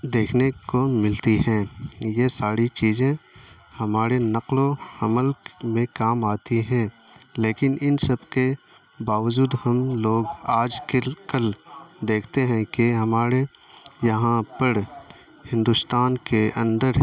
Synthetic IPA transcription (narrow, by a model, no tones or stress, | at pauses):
d̪eːkʰnekomɪlt̪iɦɛ̃ːjesaːɾit͡ʃiːzẽ | hɐmaːɾenɐqloɐməlmẽkaːmaːt̪iɦɛ̃ː | leːkɪnɪnsəbke | baːʋəd͡ʒuːd̪hɐmloːɡaːd͡ʒkɪkəld̪eːkʰt̪eɦɛ̃keɦɐmaːɾe | jɐɦãpəɾ | hɪ̃nd̪ʊst̪aːnkeʔə̃nd̪əɾ